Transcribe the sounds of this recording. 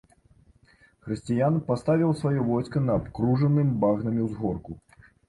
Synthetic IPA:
xɾɨsʲt͡sʲijanpast̪avʲiwsvajɔvɔjskɐnɐːpkɾuʐɐnɨmʲbaɣnɐmʲiwzɣɔrku

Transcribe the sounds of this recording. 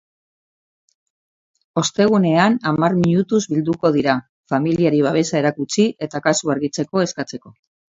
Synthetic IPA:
o̞st̪e̞ɣ̞une̞anamarmiɲut̪uzβild̪uko̞ð̞iɾa | familiaɾiβ̞aβ̞e̞sae̞ɾakut͡siʔe̞t̪akasuaɾɣit͡se̞ko̞e̞skat͡se̞ko̞

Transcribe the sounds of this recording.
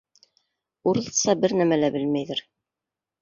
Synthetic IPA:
uɾɤ̆lˠɤsɑbɘɾnæmælæbɘlmæjðɘɾ

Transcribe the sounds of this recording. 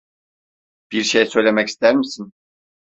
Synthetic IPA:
b̥iɾʃejsø̞jlʲe̞mɛci̥st̪ʰæɾmisin

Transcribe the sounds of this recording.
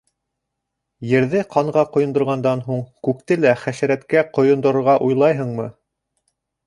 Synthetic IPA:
jɘ̆ɾðɘqʰɑɴʁɑqŏjŏnd̪ŏɾʁɑnd̪ɑnɦuɴkʉk̚t̪ɘlæχæʃæ̆ɾæt̪kæqŏjŏnd̪ŏɾŏɾʁɑʔujlˠɑjɦɤ̆ɴmɤ

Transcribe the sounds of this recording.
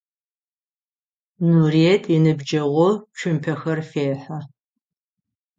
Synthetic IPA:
nurietʼinɨbd͡ʒɐʁʷʊpʃʰʊmpʰɐxɐrfeːħa

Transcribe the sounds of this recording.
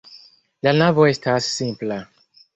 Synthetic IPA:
lanavɔjstʰassĩmpla

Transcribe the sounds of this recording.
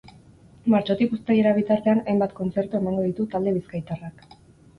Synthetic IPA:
maɾt͡ʃo̞t̪ikust̪ejeɾaβ̞it̪aɾt̪e̞anajmbat̪ko̞nt͡se̞ɾt̪ue̞maŋɡo̞ðit̪ut̪ald̪e̞βiskajt̪arak

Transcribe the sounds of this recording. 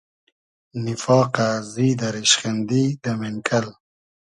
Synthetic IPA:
nɪfɑːqazid̪aɾiʃχend̪id̪əmeŋkʰal

